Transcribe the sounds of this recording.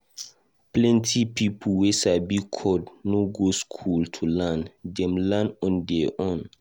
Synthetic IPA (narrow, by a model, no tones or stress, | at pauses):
plɛ̃ntʰipipʰuwesabikʰɔdnoɡoskʰultʰulãndɛ̃mlanɔ̃ndɛʔɔ̃n